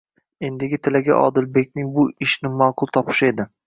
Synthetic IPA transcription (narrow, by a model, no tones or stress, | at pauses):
e̞nd̪ɪɡʲɪt̪ʰɪlaɡʲa̰ʔɒ̰d̪ɪlbe̞kʲnɪŋbʊɪʃnɪmɒqʰʊlˠt̪ʰɒpʰɪ̥ʃe̞d̪ɪ